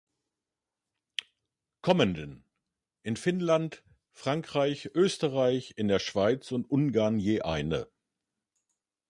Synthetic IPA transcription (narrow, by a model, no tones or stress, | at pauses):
kʰɔməndən | ʔɪnfɪnlant | fʁ̥aŋkʁ̥aɪçʔøːstəʁaɪçɪndeːɐʃv̥aɪt͡sʊntʔʊnɡaɐnjeːʔa̰ɪnə̰